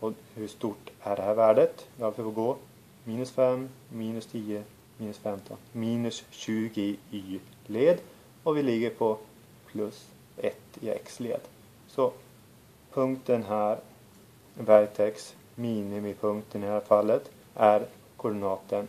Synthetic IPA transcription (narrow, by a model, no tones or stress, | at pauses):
ɔhɵʂt̪uːʈːæɖɛhæːɾvæːɖət̪ʋalfəfɔɡoː | miːnɵsfɛmmiːnɵst̪ʰiːə | miːnɵsfɛmt̪ʰɔ̰nmiːnʉsɕʉːɡɪyː | leːd̪ | ɔvɪlɪɡːəɾpʰɔ | pʰlɵs | ɛ̰t̪ːɪ̰ɛ̰kslḛːd̪ | sɔ | pʰɵŋkt̪ənɦæːɾ | væɾt̪ʰɛks | miːnɪmɪpʰɵŋkt̪ənɪhæːɾfalːət̪ | ʔæɾ | kʰʊɖɪnɑːt̪ən